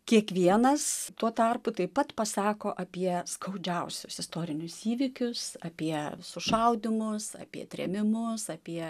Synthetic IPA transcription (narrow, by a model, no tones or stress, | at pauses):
kʲiɛkʋʲiɛnɐst̪uɔt̪ɐrpʊt̪ɐɪpɐt̪pɐsɑːkoːʔɐpʲiɛskʰɐʊd͡ʒʲɛʊsʲʊsɪst̪oːɾʲɪnʲʊsiːʋʲɪkʲʊsɐpʲiɛsʊʃɐʊd̪ʲɪmʊsɐ̰pʲḭɛt̪ʲɾʲɛ̰mʲɪmʊsɐpʲiɛ